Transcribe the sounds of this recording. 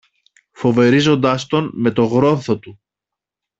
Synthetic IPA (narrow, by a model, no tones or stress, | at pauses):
fo̞ve̞ɾizo̞nd̪ɐst̪o̞nme̞t̪o̞ɣɾo̞nθo̞t̪u